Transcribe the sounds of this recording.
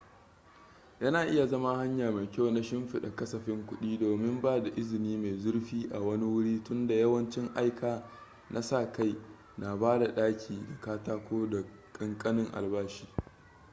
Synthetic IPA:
jɐ˦naː˨ʔɪ˦ja˨zɐ˦ma˦ha˦ɲjaː˨ma˨jkʲa˦˨wna˦ʃɪ˦mɸɪ˨ɗa˨kɐ˦sɐ˨ɸɪ˦ŋkʷʊ˦ɗiː˦doː˨mɪ˦mbaː˦da˨ʔɪ˦zɪ˨niː˦ma˨zʊ˦rɸiː˦ʔa̰˨wɐ˦ni˦wʊ˦ɽiː˦tʊ˦nda˨jɐ˦wɐ˦nt͡ʃɪ˦ŋʔa˦jkʰaː˨ | nʔa˦sa˦˨ka˦j | na˨baː˦da˨ɗaː˦kʲʰiː˨da˨kaː˦taː˦kʷoː˦da˨kʼɪ˦ŋkʼɐ˦nɪ˦ŋʔa̰˨lbaː˦ʃi̥ː˦

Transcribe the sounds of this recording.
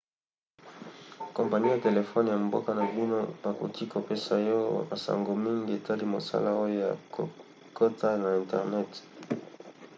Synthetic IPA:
kɔ̃˨mpa˨ni˦ja˨te˨le˨fɔ˦n˨ja˨m˨bɔ̰˦ka˦na˨bi˦no˦b̥a˨ko̰˨kʰi˦ko˨pe˦sa˨jɔ˦wa̰˨ba˨sa̰˨ŋɡo˨mi˦ŋɡi˦e˨tʰa˦li˦mo˨sa̰˦la˦o˦jo˦ja˨ko̰˨ | ko˦ta˦na˨ɛ̃˨ntɛ˨ʁnɛ˦t

